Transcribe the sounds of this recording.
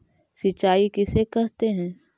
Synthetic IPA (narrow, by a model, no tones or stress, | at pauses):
sɪt͡ʃːaːikɪsekɛɦt̪eɦɛ̃ː